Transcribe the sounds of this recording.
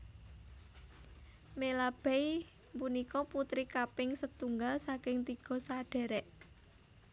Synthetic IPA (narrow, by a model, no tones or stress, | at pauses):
melab̥ɛj | mpunikɔput̪ɾikapɪŋsət̪uŋɡalsakɪŋt̪iɡ̥ɔ̤saɖ̥ɛ̤ɾɛʔ